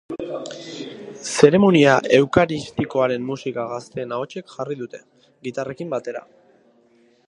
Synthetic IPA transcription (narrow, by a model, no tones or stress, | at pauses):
se̞ɾe̞moniaʔe̞wkaɾist̪iko̞aɾe̞mːusikaɣast̪e̞ːnao̞t͡ʃekʝariðut̪e̞ | ɣit̪are̞kimbat̪e̞ɾa̰